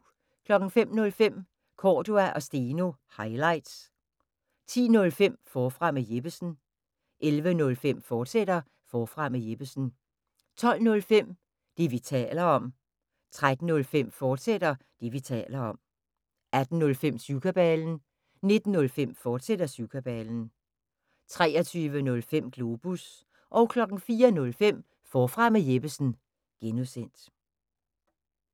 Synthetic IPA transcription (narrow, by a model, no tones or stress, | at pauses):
kʰlɒ̽ɡ̥n̩fem̰nɔ̽lfem̰ | kʰɒːd̥uæʔɒ̽sd̥eːno̝hɑ̈ɪlɑ̈ɪd̥s | t͡sʰḭːnɔ̽lfem̰fɒːfʁɑ̈meje̝b̥əsn̩ | ʔelʋənɔ̽lfem̰fɒːd̥sed̥ɐ | fɒːfʁɑ̈meje̝b̥əsn̩ | t͡sʰɒ̽l̰nɔ̽lfem̰ | d̥e̝ʋit͡sʰɛ̰ːlɐɒ̽m̰ | t͡sʰʁad̥n̩ɔ̽lfem̰fɒːd̥sed̥ɐd̥iʋit͡sʰɛ̰ːlɐɒ̽m̰ | æd̥n̩nɔ̽lfem̰sukʰɐb̥ɛln̩ | ne̝d̥n̩ːɔ̽lfem̰fɒːd̥sed̥ɐsukʰæb̥ɛːln̩ | t͡sʰʁɛ̰ːɐt͡sʰyːʋənɔ̽lfem̰ɡ̥lo̝b̥us | ʔɒʊkʰlɒ̽ɡ̥n̩fiːɐnɔ̽lfem̰ | fɒːfʁɑ̈məjeb̥əsn̩ | ɡ̥enuðˠsen̰d̥